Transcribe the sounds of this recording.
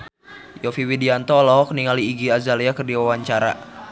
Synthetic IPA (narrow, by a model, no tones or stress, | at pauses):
jɔfiwidiant̪ɔlɔɔk̚niŋaliːɡiazaliakərdiwawaɲt͡ʃaɾa̰